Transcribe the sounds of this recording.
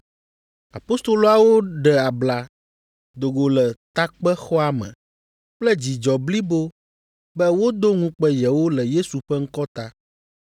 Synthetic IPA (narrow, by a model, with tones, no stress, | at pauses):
a̰˨po˦st̪o˨lo˦a˨wo˦ɖɛ˨a˨bla˨ | d̪o˨ɡo˨lɛ˨t̪a˦k͡pɛ˦xɔ˦a˨mɛ̰̃˨ | k͡plɛ˦d͡ʑi˨d͡ʒɔ˨bli˦bo˦ | bɛ˦wo˦d̪o˦ŋũ˦k͡pɛ˦jɛ˨wo˦lɛ˨je˦su˨ɸɛ˦ŋ̩˦kɔ˦t̪a˦